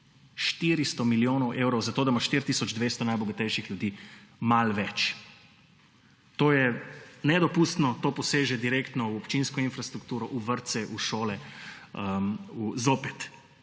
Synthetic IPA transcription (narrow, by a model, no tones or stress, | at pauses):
ʃt̪iɾist̪ɔmiljoːnɔwʔewɾɔwzat̪oːd̪amaʃt̪iɾt̪isɔd͡ʒd̪ʋeːst̪ɔnajbɔɡat̪ɛjʃixljud̪iːmalʋɛt͡ʃ | t̪oːjɛnɛd̪ɔpuːst̪nɔt̪oːpɔseːʒɛd̪iɾekt̪nɔuɔpt͡ʃinskɔinfɾast̪ɾuk̚t̪uːɾɔʔuʋəɾt̪sɛʔuʃoːlɛəuzoːpɛt̪